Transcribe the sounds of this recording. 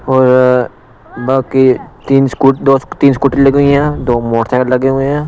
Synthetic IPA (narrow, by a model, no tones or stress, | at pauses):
ɔːɾ | baːkit̪iːnskuːʈd̪oːst̪iːnskuʈilɐɡeɦuɛ̃d̪oːmoːʈt̪ʰelɐɡeɦuɛ̃